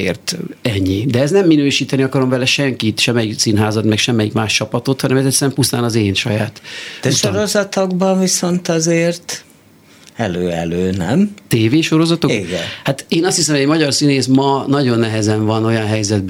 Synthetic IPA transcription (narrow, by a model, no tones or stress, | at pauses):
ḛːrt̪ɛɲːid̪ɛɛznɛmːinøːʃiːt̪ɛniɒkɒɾo̞mvɛlɛʃɛŋkit̪ʃɛmːɛjik̪siːnɦaːzɒt̪mɛkʃɛmːɛjikmaːʃt͡ʃɒpɒt̪o̞t̪hɒnɛmɛzɛt̪sɛɾɛmpust̪aːnɒzeːnʃɒjaːt̪d̪ɛʃoɾozɒt̪oɡbɒɱviso̞nt̪ɒzeːrt̪ | ɛløːɛ̰løːnɛmt̪eːveːʃo̞ɾo̞zɒt̪oiɡɛ̰nhat̪eːnɒst̪hisɛmhoɟmɒɟɒrsineːsmɒnɒɟo̞nːɛɦɛzɛɱvɒno̞jɒnɦɛjzɛd̪̚b